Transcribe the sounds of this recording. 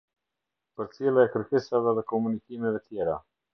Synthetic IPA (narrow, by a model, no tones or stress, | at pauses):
pəɾt͡silˠaɛkəɾkɛsavɛðɛkɔmunikimɛvɛt̪jɛɾa̰